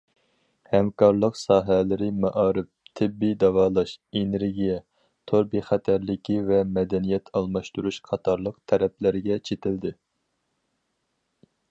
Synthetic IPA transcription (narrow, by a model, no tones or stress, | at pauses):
hɛmkʰɑɾlˠəqsɑːɦɛlɪɾɪmɑʔɑːɾɪp̚t̪ʰɪbːid̪ɑvɑːlˠɑʃeneɾɡʲijɛ | t̪ʰoɾbiχæt̪ʰɛɾlɪkʲivɛmɛd̪ɛnijɛt̪ʰɑlˠmɑʃt̪uɾuʃqʰɑt̪ʰɑɾlˠəq̚t̪ʰɛɾɛplɪɾɪɡʲɛt͡ʃʰet̪ʰɪld̪ɪ